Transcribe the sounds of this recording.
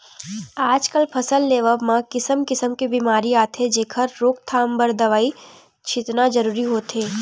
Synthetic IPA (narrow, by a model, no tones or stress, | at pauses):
aːd͡ʒkəlpʰɐsəlːeːʋəmãkɪsəmkɪsəmkebiːmaːɾiaːt̪ʰed͡ʒeːkʰəɾːoːk̚t̪ʰaːmbɐɾd̪ɐʋaːi | t͡ʃʰɪt̪nad͡ʒɐɾuːɾiɦoːt̪eː